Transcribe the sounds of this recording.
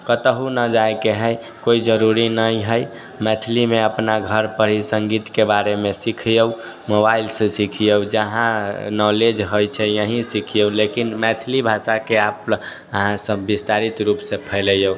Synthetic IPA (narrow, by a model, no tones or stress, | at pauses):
kət̪əɦunəd͡ʒajkeɦəj | koid͡ʒəɾuɾinəjɦəj | mɛt̪ʰlimeəpnaɡʱəɾpəɾ̤isəŋɡit̪kebaɾemesikʰjəw | mobailsẽsikʰijəwd͡ʒəɦãnɔled͡ʒɦojt͡ʃʰɛjəɦĩsikʰijəwlekinmɛt̪ʰilibʱasakeap | əɦãsə̃bist̪aɾit̪ɾupsẽpʰəɪləjəw